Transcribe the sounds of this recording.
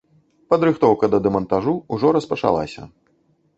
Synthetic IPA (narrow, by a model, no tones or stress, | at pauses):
pɐd̪ɾɨxt̪ɔwkɐd̪ɐd̪ɛmɐnt̪aʐuuʐɔɾɐspɐt͡ʂa̰lˠa̰sʲɐ̰